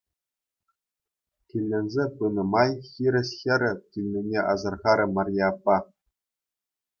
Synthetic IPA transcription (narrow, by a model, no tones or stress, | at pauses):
kʲilʲːenʲzʲepɯnɤ̆mɑjxʲiɾʲɘ̆ɕxʲɘ̆ɾʲɘ̆kʲilʲnʲinʲeʔɑ̰zɤ̆rʁɑɾʲɤ̆mɑrʲjɑːpːɑ